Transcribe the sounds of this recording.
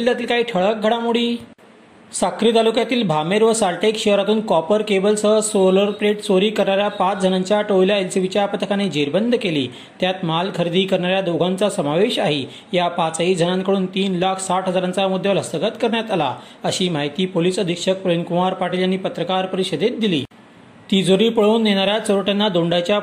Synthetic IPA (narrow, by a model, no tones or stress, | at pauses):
iljat̪iːlkaɦiːʈʰəɭək̚ɡʱəɽamuɽiː | sakɾiːt̪alukjat̪iːlbʱameɾʋəsalʈekɕeɾakuːnkɔpəɾkebəlsəsoləɾpɾeʈsoɾiːkəɾɳaɾjapat͡sd͡zʱənaɲt͡ɕjaʈojlaelsibit͡ɕjapət̪ʰəkʰaned͡ʑeɾbənd̪ʱəkeliː | t̪jat̪malkʰəɾd̪iːkəɾɳaɾjad̪oɡʱãnt͡sasəmaʋeɕaɦiː | japat͡said͡zʱənãŋkəɽuːnt̪iːnlakʰsaʈɦəd͡zaɾãnt͡samud̪ʱːjələsəɡət̪kəɾɳjat̪ala | əɕiːmaɦit̪iːpoliːsəd̪ʱikʂək̚pɾənkumaɾpaʈiljanːiːpət̪ɾəkaɾpəɾiɕəd̪et̪̚d̪ilḭː | t̪id͡zʱoɾiːpəɭuːnːeɽ̃aɾjasoɾoʈenːad̪oɳɖajt͡ɕja